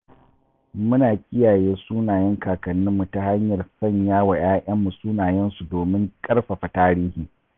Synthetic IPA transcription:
mʊ˦naː˨kʲʼɪ˦jaː˨jeː˦suː˦naː˨jɐ˦ŋkaː˨kɐ˨nːɪ˦mːu˨ta˦ha˦ɲjɐ˨rsɐ˦˨ɲjaː˦wa˨j̰aː˦ʔɐ˦mːu˨suː˦naː˨jɛ˦nsu˨doː˨mɪ˦ŋkʼɐ˦rɸa˨ɸa˨taː˦ɾiː˦hiː˨

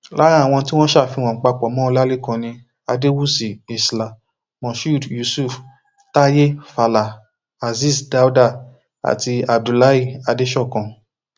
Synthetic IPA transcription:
la˦ã˦˨w̃ɔ̃˧ti˦w̃ɔ̃˦ʃa˦˨fi˧w̃ɔ̃˨k͡pa˧k͡pɔ˨˦mɔ̃˦o˧˦la˦le˦kã˧nĩ˧ | a˧de˦wu˦si˨e˨sla˨ | mɔ̃˨ʃu˦˨dju˨su˦˨f | ta˦je˦fa˧la˨ | a˨zi˦˨sda˨˦u˦da˦˨ | a̰˨ti˧a˨b̚du˨la˦i˦˨a˧de˦ʃɔ˦˨kã˧

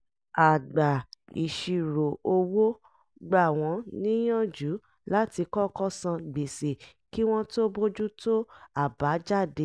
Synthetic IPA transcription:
a˨ɡ͡ba˨ḭ˨ʃi˨ɾo˨o˧wo˦ | ɡ͡ba˦˨w̃ɔ̃˧˦nĩ˦j̃ɔ̃˦˨d͡ʒu˨˦ | la˦ti˧kɔ˦kɔ˦sã˧ɡ͡be˨se˨ | ki˦w̃ɔ̃˦to˦bo˦d͡ʒu˦to˦a˦˨ba˨˦d͡ʒa˦˨de˧˦

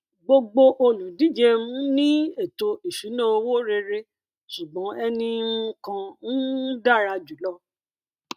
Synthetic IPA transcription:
ɡ͡bo˧ɡ͡bo˧ʔo˧lũ˨di˦d͡ʒe˧mũ˦nĩ˦e˦˨to˧i˨ʃu˨˦nã˦o˧wo˦ɾe˧ɾe˧ | ʃu˨ɡ͡bɔ̃˨˦ɛ˧nĩ˧˦kã˧n̩˦da˦˨ɾa˧d͡ʒu˨˦lɔ˦

